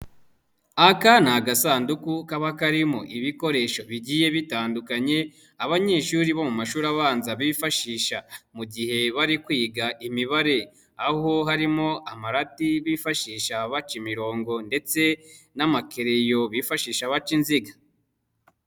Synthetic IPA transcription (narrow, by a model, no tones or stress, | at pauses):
akanaɡasaːndukukaβakaɾimo̰ʔiβiko̞ɾe̞ʃo̞βiɟije̞βitaːndukaɲe̞ | aβaɲe̞ːʃuːɾiβo̞mumaʃuːɾaβaːnzaβiːfaʃiːʃamuɟihe̞βaɾikwiːɡaʔimiβaɾe̞ | aho̞ɦaɾimo̞ʔamaɾatiβiːfaʃiːʃaβat͡ʃimiɾo̞ːŋɡo̞nde̞t͡se̞ | namakeɾejo̞βifaʃiːʃaβat͡ʃinziɡḁ